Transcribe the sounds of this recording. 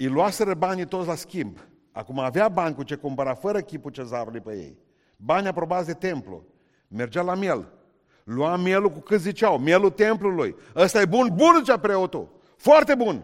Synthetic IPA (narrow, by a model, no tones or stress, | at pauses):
ijluaseɾəbanʲit̪otsʲlaskʲimb | a̰kumaːveabanʲkut͡ʃekumpəɾafəɾəkʲiput͡ʃezaɾulujpejḛj | banʲapɾo̞bat̪sʲd̪e̞t̪e̞mplṵ | me̞rd͡ʒawlamje̞l | luamje̞lukukɨt̪zit͡ʃawmje̞lut̪e̞mpluluj | əst̪ajebunbunzit͡ʃapɾeot̪ṵ | foart̪e̞bun